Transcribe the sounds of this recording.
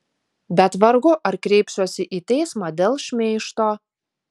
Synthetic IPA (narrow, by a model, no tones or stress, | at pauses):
bʲɛt̪ʋɐɾɡʊʔɐɾkɾʲɛɪpsʲuɔsʲɪʔiːt̪ʲɛɪsmɑːd̪ʲeːlˠʃʲmʲeːʃt̪oː